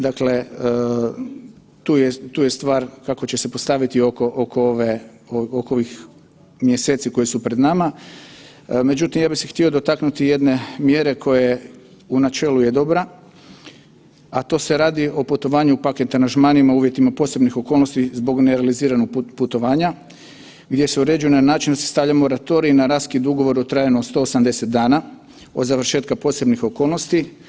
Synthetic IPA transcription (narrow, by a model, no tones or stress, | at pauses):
d̪akle̞ | t̪uːjet̪uːjest̪ʋaːɾkako̞t͡ɕe̞se̞po̞st̪aʋit̪iokoʔokooʋe | ookooʋix | mjeseːt̪siko̞jisupɾe̞d̪nama | me̞d͡ʑut̪imjaːbixsext̪io̞d̪o̞t̪aknut̪ije̞d̪ne̞mje̞ɾe̞kʰo̞je̞ | unat͡ʃe̞ːluje̞d̪o̞bɾa | at̪o̞se̞ɾaːd̪iʔo̞put̪o̞ʋaːɲuupaket̪aɾanʒmanimauːʋje̞t̪imapo̞ːse̞bnixo̞ko̞ːlˠnost̪izbo̞ɡneɾealiziːɾanoɡ̚put̪o̞ʋaːɲa | ɡd̪je̞seuɾe̞d͡ʒujenanaːt͡ʃind̪asest̪avʎamo̞ɾat̪o̞ɾiːnaɾaːskid̪uɡo̞ʋo̞ɾot̪ɾaːjenuod̪st̪o̞ːsamd̪e̞se̞t̪̚d̪aːna | o̞̰d̪zaʋɾ̩ʃe̞ːt̪kapo̞se̞bnixo̞ko̞ːlˠno̞st̪i